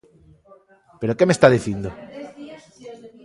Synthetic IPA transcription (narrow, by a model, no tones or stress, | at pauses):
pe̞ɾokemest̪aðiθind̪o